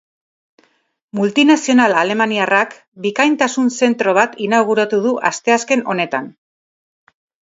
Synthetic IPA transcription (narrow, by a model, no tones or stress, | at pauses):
mult̪inasio̞nalale̞maniarak | bikajnt̪asunse̞nt̪ɾo̞β̞at̪inawɣ̞uɾat̪uðuʔa̰st̪e̞aske̞no̞ne̞t̪an